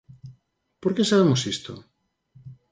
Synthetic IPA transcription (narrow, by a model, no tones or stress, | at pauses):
poɾkesaβ̞emosist̪o̰